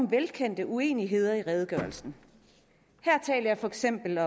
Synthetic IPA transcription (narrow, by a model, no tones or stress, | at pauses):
mʋelkʰen̰d̥əʔue̝̰ːniɦe̝ð̞̰ˠɐiʁɛð̞ˠɡ̥ɶɐlsn̩ | hæɐ̰t͡sʰɛ̰ːlɐjɑ̈fɒ̽eɡ̥sem̰b̥l̩ɒ̽